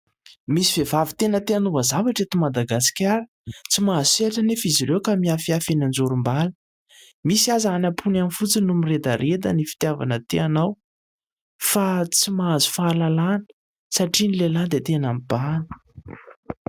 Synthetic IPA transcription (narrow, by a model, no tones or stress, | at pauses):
misiv̥evavit̪enət̪eanuvəzavaʈ͡ʂet̪umad̪aɡasi̥kʲaɾə̥ | t͡simazuseʈ͡ʂənefiziɾewkamiafiafenand͡zuɾumbalə̥ | misiazaanapʰunamifut͡sinumired̪əɾʔed̪ənifi̥t̪java̰nət̪eanaw | fat͡simaazu̥faːlalanə̥ | saʈ͡ʂinileland̪et̪enamibanə̥